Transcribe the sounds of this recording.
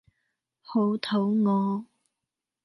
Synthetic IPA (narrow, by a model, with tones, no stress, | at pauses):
ho˨˧˥wt̪ʰo˨˥wŋɔː˨˧